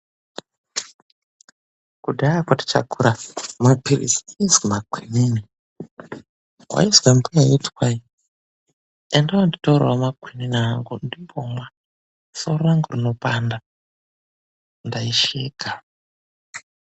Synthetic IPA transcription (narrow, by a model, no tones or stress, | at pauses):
kudaakwati̥t͡ʃa̰kʰuɾamapirḭsizwimakwinini | wa̰izwampujajetwai | endawanditoɾwamakwininaŋɡundimbomwa | soɾoraŋɡurinopanda | ndaiʃiːɡʱa